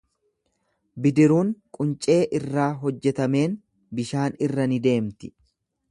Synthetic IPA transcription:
bɪd̪ɪɾuːŋkʼʊnt͡ʃʼe̞ːʔɪrːaːɦɔd͡ʒːɛt̪ɐme̞ːn | bɪʃaːnɪrːɐnɪd̪e̞ːmt̪ɪ

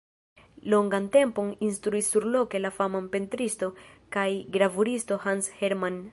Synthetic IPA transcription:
lo̞ŋɡante̞mpo̞ninstɾuisːuɾlo̞ke̞lafamanpe̞ntɾisto̞kajɡɾavuɾisto̞hanshe̞ɾman

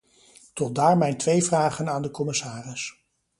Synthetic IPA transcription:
tɔt̚daːɹmɛjntʋejvraːχənaːndəkɔmɪsaːrɪs

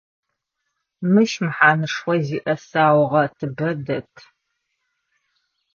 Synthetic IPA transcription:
mɨʃmɨħaːnɨʂχʷɔziːʔɐsaːwʁɐtʰɨbɐdɐtʰ

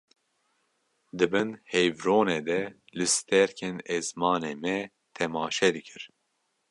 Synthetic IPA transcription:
d̪ɨbɨnhɛjvɾoːneːd̪ɛ | lɨst̪ɛɾkʰenɛzmɑːneːmɛ | t̪ʰɛmɑːʃɛd̪ɨkʰɨɾ

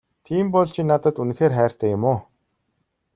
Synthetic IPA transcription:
t̪ʰiːmpɔɮt͡ɕʰinat̪ə̆t̪un̆xeːrχæːr̥t̪ʰæːjʊmʊː

